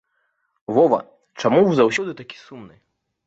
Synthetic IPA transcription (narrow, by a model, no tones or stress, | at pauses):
vɔvɐ̰ | t͡ʂamuwzɐwsʲɔd̪ɨt̪akʲi̥sumnɨ̰